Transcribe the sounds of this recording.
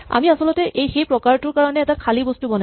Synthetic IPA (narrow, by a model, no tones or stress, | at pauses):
a̰miasɔlɔtɛʔejxejpɹɔkaɹtʊɹkaɹɔnɛːtakʰalibostubɔna